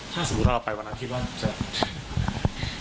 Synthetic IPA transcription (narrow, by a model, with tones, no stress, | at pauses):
t̪ʰaː˥˩so˨˦bu˦˥ʔpːa˧jwa˧nʔa˥nk̪ʰi˥˩waː˥˩t͡ɕa˨˩